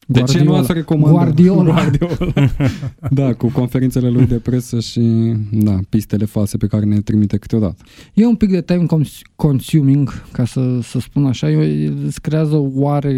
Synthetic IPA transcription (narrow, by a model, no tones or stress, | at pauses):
d̪eat͡ʃdeiuasɾe̞ko̞maɡward̪iolɡard̪iol | d̪akuko̞nfe̞ɾint̪se̞le̞lujd̪e̞pɾe̞səʃid̪apist̪e̞le̞false̞pe̞kaɾenet̪ɾimit̪e̞kɨ̥t̪eo̞d̪a̰t̪ə̥je̞umpik̚d̪et̪ajmkonkonsjumiŋɡkasəsəspunaʃajeskɾeazəwaɾe̞